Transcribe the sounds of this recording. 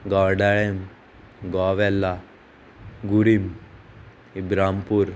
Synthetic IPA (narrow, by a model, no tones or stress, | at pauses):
ɡɔɾɖaɭem | ɡɔːʋɛlːa | ɡuɾim | ibɾaːmpuɾ